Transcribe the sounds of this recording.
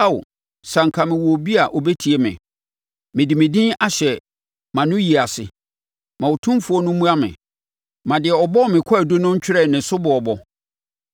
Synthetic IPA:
a˦w̰ | sã˨ŋ̩˨kʰa˨mɪ̃˨wɔ˨bi˦a˨ʔɔ˨bɛ˦tʰi˨e˨˦mɪ̰̃˨ | mɪ̃˨dɪ˨mɪ̃˨dĩ˦a˦ɕɛ˨ | mã˨nʊ̃˦ji˨a˨sɪ̰˨ | mã˨wo˨tʰʊ̃˦mfʊ˨˦ɔ˦nʊ̃˦mũ˦a˦mɪ̰̃˨ | mã˨dɪ˨ɛ˨ɔ˨bɔ˦˨mɪ̃˨kʰɔ˦a˨du˦nʊ̃˦ɲ̩˦t͡ɕᶣɪ˦ɾɛ˨nɪ̃˨sʊ˦bʊ˨ɔ˨bɔ˦

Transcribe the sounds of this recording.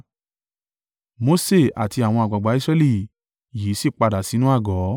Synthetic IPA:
mo˧˦se˦˨a̰˨ti˧a˨w̃ɔ̃˧a˨ɡ͡ba˨ɡ͡ba˨˦i˦sɾɛ˧˦li˦˨ | ji˨˦si˦˨k͡pa˧da˨si˨˦nũ˦a˦˨ɡɔ˨˦

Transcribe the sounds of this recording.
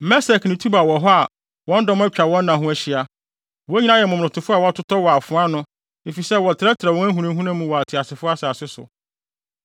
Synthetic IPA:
mɛ˦sɛ˨knɪ̃˨tʰu˦ba˨wɔ˨ɦɔ˦a˨ | wɔ̃˦n̩˦dɔ̃˦m˦æ˦t͡ɕᶣa˨wɔ̃˦n̩ː˦ã˨ɦʊ̃˦æ˦ɕi˦a˨ | wɔ˦ɲi˦nã˦jɛ˨mʊ̃˨m˨nʊ̃˨tʰʊ˨fʊ˦a˨wɔ˨˦a˦tʰʊ˦tʰɔ˦wɔ˨a˨fʊ̃˨˦a˦nʊ̃˦ | e˨fi˨sɛ˦wɔ˨tʰɪ˨ɾɛ˦tʰɾa˨wɔ̃˦æ˦ɦũ˦nũ˦ɦũ˦nã˦mũ˦wɔ˨a˨tʰɪ˨a˨sɪ˨fʊ˦a˦sɛ˨a˨sɪ˦sʊ̰˨

